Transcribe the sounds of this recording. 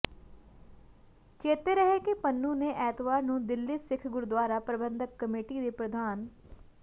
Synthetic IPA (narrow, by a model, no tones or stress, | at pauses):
t͡ʃeːt̪eːɾəɦeːkɪpənːũːneːʔɛːt̪ʋaːɾnũːd̪ɪlːisɪkʰɡʊɾd̪waːɾaːpɾəbə̃nd̪əkːəmeːʈiːd̪eːpɾəd̪aːn